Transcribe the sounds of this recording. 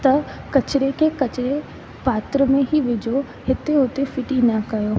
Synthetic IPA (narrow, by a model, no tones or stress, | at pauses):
t̪ɐkɐt͡ɕɪɾekʰekɐt͡ɕɪɾe | paːt̪ɾəmẽɦiʋɪd͡ʑo | hɪt̪eʊt̪efɪʈinɐkɐjoː